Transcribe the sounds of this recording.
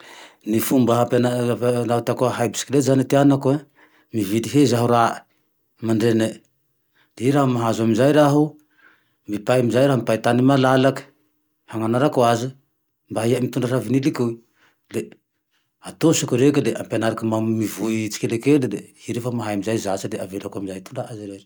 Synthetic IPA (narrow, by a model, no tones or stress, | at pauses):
nifumbaɦapenanatakoaɦajbi̥si̥kilezaneteanakoe | mividiɦezaɦuɾa | mandene | diɾahumaɦazamzajɾaɦu | mipajmizajɾampajtanimalalak | haŋanaɾakuazi | mbaɦiamit̪unɖ͡ʐaɾaviniliku | le | at̪osukuɾekeleʔampenaɾakamammivujt͡ʃi̥kelekeldehiɾefamaɦajmizajzasadeavelakuamizajt̪undaazɾeɾ